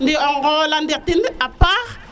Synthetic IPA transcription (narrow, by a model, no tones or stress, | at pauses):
ndiɔŋɡɔlandek̚tinapaʁ